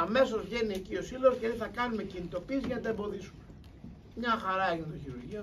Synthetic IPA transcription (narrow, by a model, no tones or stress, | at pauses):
ɐme̞so̞zʝe̞niecio̞siloscet̪iθɐkɐnume̞cinit̪o̞piːsʝɐnɐt̪ɐebo̞ðisume | mɲɐxɐɾɐeçint̪oçiɾuɾʝiɐ